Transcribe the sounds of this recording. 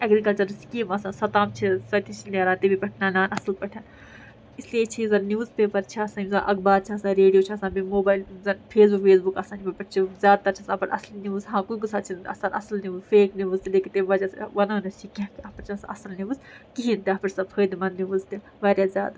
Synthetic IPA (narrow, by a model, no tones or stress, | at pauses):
ɐɡɾikɐlt͡ʃɐɾskiːmɐsãːnsɐt̪aːmt͡ʃʰisɐt̪it͡ʃʰilːɾãːnt̪ebipɐʈʰnaːnaːnɐsɐlpɐʈʰɐn | islijet͡ʃʰizɐnnʲjuːzpeːpɐɾt͡ʃʰiɐsãːnimzɐʔɐkbaːɾt͡ʃʰiɐsãːɾeːɖijoːt͡ʃʰɐsãːbimoːbaːjlzɐnfʰeːs̬bukfʰeːsbukɐsãːnimipɐʈt͡ʃʰizʲjaːd̪̚t̪ɐɾt͡ʃʰiɐsãːpɐɾʔɐ̰sliniʋzɦãːkujɡusaːt͡ʃʰint̪ɐ̰sanɐ̰slniʋuzfeːkniʋuzt̪ileːkit̪eʋɐd͡ʒaʋɐnanɐt͡ʃʰikiãkiɐpɐɾt͡ʃʰɐnsaʔɐsɐlniʋuzkiɦint̪iɐpɐɾsɐoːjd̪imɐnniʋuzt̪i | ʋaːɾʲjaːzʲa̰ːd̪a